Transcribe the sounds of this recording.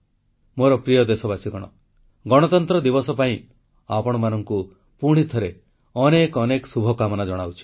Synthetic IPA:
moɾɔpɾijɔd̪esɔbasiɡɔɽ̃ɔ̰ | ɡɔɽ̃ɔt̪ɔnt̪ɾɔd̪ibɔsɔpaĩ | apɔɽ̃ɔmanɔŋku | puɽ̃it̪ʰɔɾe | ɔnekɔnekɔsubʱɔkamɔnad͡ʒɔɽ̃awt͡ʃʰi̥

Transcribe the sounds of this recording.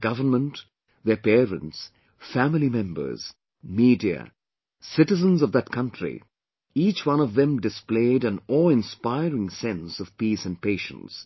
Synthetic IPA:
ɡ̥ʌvə˞nmə̃nt | ðə˞pɛɹɨ̰̃nts | fæmlˠimɛ̃mbə̰˞z̥ | miːdiɨ̰ | sɪɾɨzə̃nzʌvðɨt̚kʰʌ̃ntʰɹ̥ḭ | iːt͡ʃwʌ̃nʌvðɨ̃mdɨspleɪɾɨ̃nɔlɪ̃nspaɪɹɪ̃ŋsɛ̃nsʌv̥pisɨ̃n̚peɪʃə̰̃ns

